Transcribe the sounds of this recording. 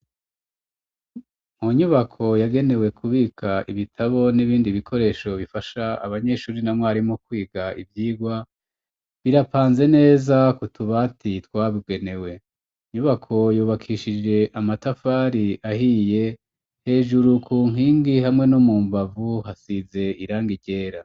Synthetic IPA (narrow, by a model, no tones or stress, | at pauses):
muɲuβakʰo̞jaɡe̞ne̞wekʰuβiːkʰaʔiβitʰaβo̞niβiːndiβikʰo̞ɾe̞ːʃo̞βifaʃaa̰βaɲe̞ʃuːɾinamŋwaɾimo̞k̚wiːɡaivjiːɡwa | βiɾapaːnze̞ne̞ːzakutʰuβatʰitwaːβiɡe̞ne̞we̞ | ɲuβakʰo̞juːβakʰiʃid͡ʒe̞ʔamatafaːɾiaɦije̞ | he̞ːʒuɾukʰuːŋɦiːŋɡihamŋe̞nomuːmbavuɦasize̞iɾaːŋɡiɟe̞ːɾa